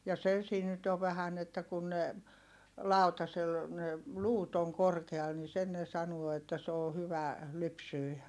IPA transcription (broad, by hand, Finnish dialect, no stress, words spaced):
jɑ se siːn nyt oʋ̆ ʋæhæn etːæ kun ne lɑˑu̞tɑsel ne luːt oŋ korkeɑl ni sen ne sɑnuo etːæ s oː hyʋæ lypsyi